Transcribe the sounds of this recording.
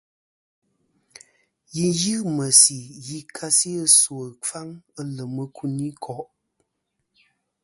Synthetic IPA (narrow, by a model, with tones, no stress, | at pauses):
ji˨njɨ˦mə˨si˨ji˨kʰa˦si˦ə˦swə˨fa˦ŋə˦lə˨mə˨kʰu˦ni˦kʰɔ˦ʔ